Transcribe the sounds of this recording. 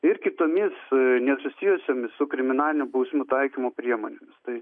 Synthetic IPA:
ɪrkʲɪt̪oːmʲɪsnʲɛsʊsʲiːjʊsʲoːmʲɪssʊkɾʲɪmʲɪnɑːlʲɪnʲʊbɐʊsʲmʲʊt̪ɐɪkʲimoːpʲɾʲiɛmoːnʲeːmʲɪst̪ɐɪ

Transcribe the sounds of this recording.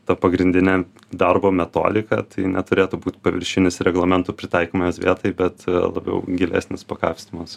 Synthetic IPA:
t̪ɐpɐɡɾʲɪnd̪ʲɪnʲɛː | d̪ɐrboːmʲɛt̪o̰ːd̪ʲɪkɐ̰t̪ɐɪnʲɛt̪ʊɾʲeːt̪uːbuːt̪pɐʋʲɪ̰ɾʲʃʲɪnʲɪsɾʲɛɡlˠɐmʲɛnt̪upʲɾʲɪt̪ɑɪkoːmojsʋʲḭɛt̪ɐɪbʲɛt̪lˠɐ̰bʲɛ̰ʊɡʲɪlʲæ̰ːsʲnʲɪspɐkɑːfʲsʲt̪ʲɪmɐs

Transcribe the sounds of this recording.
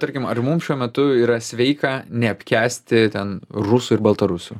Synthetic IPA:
t̪ɐɾʲkʲɪmɐrmʊmʃʲuɔmʲɛt̪ʊiːɾɐsʲʋʲɛɪkɐːnʲɛɐpʲkʲæːsʲt̪ʲɪt̪ʲɛnrʊsuːɪɾbɐlˠt̪ɐɾʊsʲuː

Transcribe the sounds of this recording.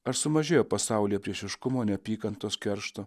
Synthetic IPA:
ɐɾsʊmɐʒʲeːjoːpɐsɑˑʊlʲijɛpʲɾʲiɛʃʲɪʃkʊmoːnʲɛpʲiːkɐnt̪oːskʲɛɾʃt̪o

